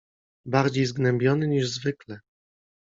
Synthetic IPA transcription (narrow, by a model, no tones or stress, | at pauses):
baɾd͡ʑejzɡnɛmbʲjɔnɘɲiʐzvɘklɛ